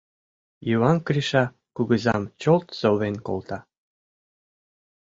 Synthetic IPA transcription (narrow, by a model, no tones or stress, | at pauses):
juwɑnkriʃɑ | kuɣəzɑmt͡ɕolt̪soβenko̰lt̪ɑ